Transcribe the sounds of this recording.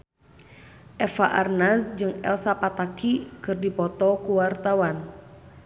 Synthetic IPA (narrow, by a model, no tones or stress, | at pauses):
ʔɛfaʔarnasd͡ʒɨŋɛ̰lsapat̪akikɨrdipɔt̪ɔkuwart̪awan